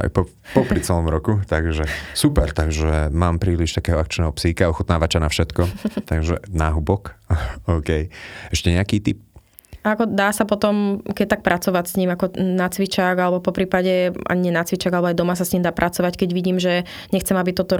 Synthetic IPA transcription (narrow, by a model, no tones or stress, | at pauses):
a̰jpɔ | pɔpɾit͡sɛlɔmɾɔkut̪aɡʒɛsupɛɾt̪aɡʒɛmaːmpɾiːliʃt̪akɛːɦɔakt͡ʃnɛːɦɔpsihikaɔxut̪naːʋat͡ʃanafʃɛt̪kɔt̪aɡʒɛ̰naːɦubɔkɔʊkɛjɛʃcɛɲɛakiːt̪ip̚ | aakɔd̪aːsapɔt̪ɔmkɛc̚t̪ak̚pɾʔat͡sɔʋacsɲiːmakɔnat͡sʋit͡ʃaɡalɛbɔpɔpɾiːpaɟɛa̰ɲɛnat͡sʋit͡ʃaɡalɛbɔajd̪ɔmas̬asɲiːmd̪aːpɾʔat͡sɔʋackɛɟʋiɟiːmʒɛ | ɲɛxt͡sɛmabit̪ɔt̪ɔ